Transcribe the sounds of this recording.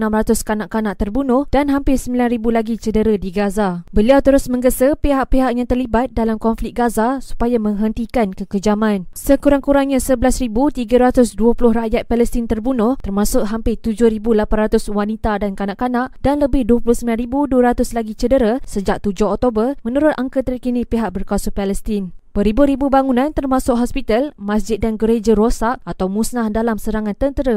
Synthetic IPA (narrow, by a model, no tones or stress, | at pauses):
namrat̪ʊskanaʔkanaʔt̪ərbunʊhd̥anɦampɪsəmbilanribulaɡit͡ʃədəɾədiɡazabəliawt̪əɾʊsmə̃ŋɡəsəpeɦaʔpeɦaʔjaŋt̪ərlibat̪̚dalamkɔnflɪk̚ɡazasu̥pajamə̃ŋɦənt̪ikankəkəd͡ʒamãnsəkuɾaŋkuɾaŋɲãsəbəlasribut̪iɡəɾat̪ʊsduəpulʊhraʔjat̪̚pɛləst̪ɪnt̪ərbunʊht̪ərmãsʊʔɦampɪt̪ud͡ʒʊhɾibulapanrat̪ʊswanit̪adankanaʔkanaʔd̥anləbɪhduəpulʊhsəmilanɾibuduəɾat̪ʊslaɡit͡ʃədəɾasəd͡ʒak̚t̪ud͡ʒʊɦɔk̚t̪obərmə̃nuɾʊt̪aŋkət̪ərkinipiɦaʔ̚bərkasupaləst̪ɪnpəɾibuɾibubaŋunãnt̪ərmãsʊk̚ɦɔspit̪almãsd͡ʒɪt̪̚danɡəɾed͡ʒəɾosaʔ̚at̪awmusnahdalamsəɾaŋãnt̪ənt̪əɾa